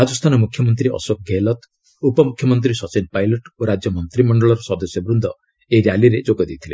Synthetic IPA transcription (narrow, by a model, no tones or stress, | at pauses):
ɾad͡ʒɔst̪ʰanɔmukʰjɔmɔnt̪ɾiɔ̰sok̚ɡʱelɔt̪ | upɔmukʰjɔmɔnt̪̬ɾisɔt͡ʃenpajlɔʈoɾad͡ʒjɔmɔnt̪ɾimɔɳɖɔɭɔɾɔsɔd̪ɔsjɔbɾund̪ʱɔ | eɾjaliɾed͡ʒoɡɔd̪it̪ʰilḛ